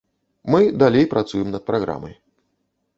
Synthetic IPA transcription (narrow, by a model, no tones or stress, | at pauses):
mɨd̪alʲejpɾʔat̪sujɛmnɐt̪̚pɾaɣɾa̰mɐj